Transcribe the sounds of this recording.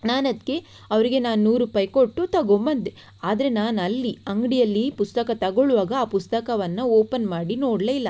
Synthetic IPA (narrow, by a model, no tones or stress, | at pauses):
naːnɐd̪ke̞ | ɐʋɐɾiɡe̞naːnːuːɾuːpaːjkoʈːut̪ɐɡombɐnd̪e | aːd̪ɐɾe̞naːnɐlːiɐŋɡɽijɐlːipust̪ɐkɐt̪ɐɡoɭuʋaːɡɐaːpust̪ɐkɐʋɐnːɐoːpɐnmaːɽinoːɽleilːɐ